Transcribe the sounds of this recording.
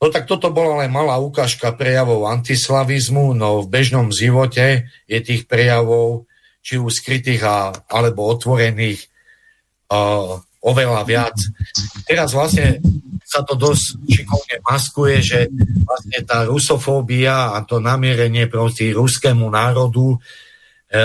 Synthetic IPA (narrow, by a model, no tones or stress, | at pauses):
nɔt̪ak̚t̪ɔt̪ɔbɔlalɛnmalaːukaːʃkapɾɛjaʋɔʊant̪islaʋizmunɔvbɛʒnɔmʒiʋɔcɛ | jɛt̪iːxpɾɛjaʋɔʊ | t͡ʃiuskɾit̪iːɣaalɛbɔɔt̪ʋɔɾɛniːx | ɔʋɛlaʋɪat͡st̪ɛɾazʋlasɲɛsat̪ɔd̪ɔsʃikɔlɲɛmaskujɛʒɛʋlastɲɛt̪aːɾusɔfɔːbiaːt̪ɔnamɪɛɾɛɲɪɛpɾɔtiɾuskɛːmunaːɾɔd̪u